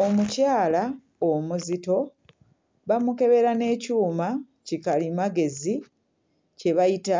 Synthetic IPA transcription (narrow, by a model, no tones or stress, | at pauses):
o̞mucaːla | omuzito̞ | βamuke̞βe̞ɾane̞ːcuːma | cikalimaɡe̞zi | ce̞βajita